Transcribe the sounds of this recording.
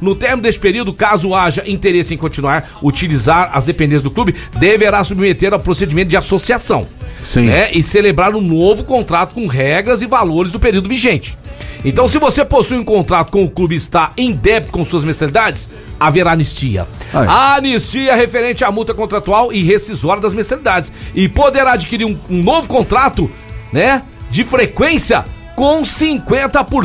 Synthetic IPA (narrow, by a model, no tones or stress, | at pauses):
nʊt̪eɾminʊd̪est͡ʃɪ̥peɾiwd̪ʊkazʊaʒɐʔĩt̪eɾesɪẽj̃kõt͡ʃinuaɾ | ut͡ʃilizaɾɐ̰zd̪epẽnd̪ẽsɪzd̪ʊklubɪd̪eveɾasubmet̪eɾawpɾosed͡ʒimẽt̪ʊd͡ʒɪasosiasɐ̃w̃sĩnɛʔɪselebɾaɾʊ̃novʊkõnt̪ɾat̪ʊ̥kõɦɛɡɾɐzɪvaloɾɪzd̪ʊpeɾiwd̪ʊviʒẽnt͡ʃɪ̥ḛ̃nt̪ɐ̃w̃sɪvoseposujũkõnt̪ɾat̪ʊ̥kõʊklubɪɪst̪aẽd̪ɛp̚t̪ʊ̥kõsuɐzmẽsalid̪ad͡ʒɪs | aveɾaːnist͡ʃiɐ̰anist͡ʃiɐhefeɾẽnt͡ʃɪamuwt̪ɐkõnt̪ɾat̪uawɪɦesizɔɾɐd̪ɐzmẽsalid̪ad͡ʒɪsɪpod̪eɾaːd͡ʒikiɾiɾũũnovʊkõnt̪ɾat̪ʊ | nɛ | d͡ʒɪfɾekwẽsiɐ̰ | kõw̃sĩŋkwẽnt̪ɐpʊɾ